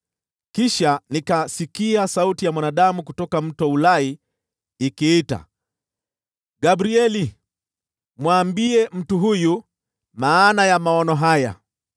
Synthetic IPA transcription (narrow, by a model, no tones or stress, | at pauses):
kiʃanikasikiasautijamwanaɗamukutɔkam̩tɔulaiː | kiːta̰ | ɡabɾiɛli | mwaːmbiɛm̩tuɦuju | maːnajamaɔnɔɦaja̰